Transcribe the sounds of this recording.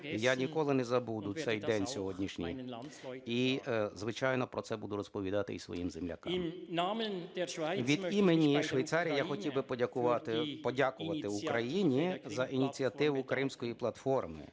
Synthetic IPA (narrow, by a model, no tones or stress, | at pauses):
janʲikɔlˠɪnɛzɐbud̪ʊsɛjd̪ɛnʲsʲɔɦɔdʲnʲiʃnʲḭj | izʋɪt͡ʃɑjnɔpɾɔtsɛbud̪ʊɾɔspɔʋʲid̪ɑt̪ɪ̰isʋɔ̰jimzemlʲɐ̰kɑ̰m | ʋʲid̪imenʲiʃʋejt̪sɑɾʲijijaxɔtʲiwbɪpɔdʲɐkʊʋɑt̪ɪpɔdʲakʊʋɐt̪ɪʊkɾɐjinʲizɐʔinʲit͡sʲiɐt̪ɪʋʊkɾɪmsʲkɔjiplˠɐt̪fɔrmɪ̰